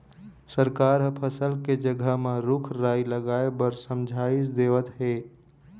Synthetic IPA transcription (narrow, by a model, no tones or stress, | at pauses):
səɾkaːɾɦəpʰəsəlked͡ʒəɡʱəɦmẽɾʊkʰɾaːiləɡaːebəɾsəmd͡ʒʱaːɪsd̪eːʋət̪ɦeː